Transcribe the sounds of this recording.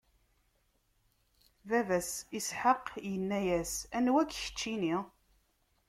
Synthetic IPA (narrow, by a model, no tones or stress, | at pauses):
vævæsisħəqjənːæjæsænwækːçə̥t͡ʃːini